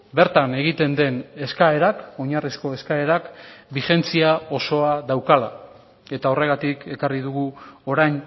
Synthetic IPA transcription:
be̞ɾt̪ane̞ɣ̞it̪e̞nd̪e̞ne̞skae̞ɾako̞ɲarisko̞e̞skae̞ɾakbixe̞nt͡siao̞so̞aðawkala̰ | e̞t̪ao̞re̞ɣ̞at̪ike̞kariðuɣuo̞ɾajɲ

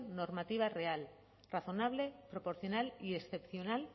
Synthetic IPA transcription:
no̞ɾmat̪iβ̞are̞al | raθo̞naβ̞le̞pɾo̞po̞ɾθjo̞naliesθe̞pθjo̞nal

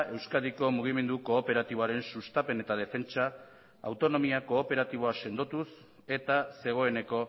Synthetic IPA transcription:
ewskaðiko̞muɣ̞ime̞nd̪uko̞ːpe̞ɾat̪iβoaɾe̞nsust̪ape̞ne̞t̪að̞e̞fe̞nt͡ʃa̰ː | wt̪o̞no̞miako̞ːpe̞ɾat̪iβ̞o̞ase̞nd̪o̞t̪us | e̞t̪ase̞ɣ̞o̞e̞ne̞ko̞

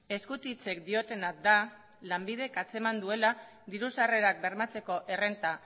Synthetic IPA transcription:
e̞skut̪it͡se̞kd̪io̞t̪e̞nat̚d̪a | lambið̞e̞kat͡se̞mand̪ue̞la | d̪iɾusare̞ɾak̚be̞ɾmat͡se̞ko̞ʔe̞re̞nt̪a

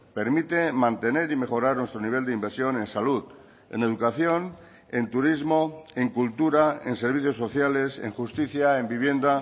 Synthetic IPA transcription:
pe̞ɾmit̪emãnt̪e̞ne̞ɾime̞xo̞ɾaɾnwe̞st̪ɾoniβ̞e̞ld̪eimbeɾsjo̞nẽ̞nsaluð | ḛne̞ð̞ukaθjo̞n | e̞nt̪uɾizmo̞eŋkult̪uɾaḛnseɾβ̞iθjosːo̞θjale̞sḛŋxust̪iθjaembiβ̞je̞nd̪a

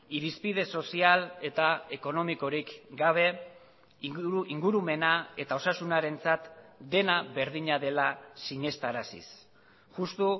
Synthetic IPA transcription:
iɾispiðe̞so̞siale̞t̪ae̞ko̞no̞miko̞ɾikɡaβ̞e̞ | iŋɡuɾume̞nae̞t̪ao̞sasunaɾe̞nt͡sat̪d̪e̞naβe̞ɾðiɲaðe̞lasiɲe̞st̪aɾasḭs | ʝust̪u

